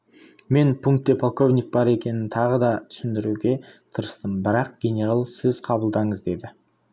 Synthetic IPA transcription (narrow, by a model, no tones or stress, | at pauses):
me̞npʰuŋk̚t̪ːepʰolˠko̞vnʲik̚bɑɾe̞kʲe̞nɪnt̪ʰɑʁəd̪ɑt̪ʰʏ̥sɪnd̪ɪɾuɡʲe̞t̪ʰəɾəst̪əmbɪɾɑq̚ɡ̥ʲe̞nʲe̞ɾalˠsɪzqʰɑbəlˠd̪ɑɴəzd̪e̞d̪ɪ